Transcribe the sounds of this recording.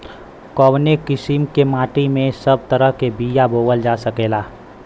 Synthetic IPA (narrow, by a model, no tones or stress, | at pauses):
kɔːwnekɪsɪmkemaːʈimẽsəb̚t̪əɾəɦkebiːjaboːwəld͡ʒaːsəkeːlaː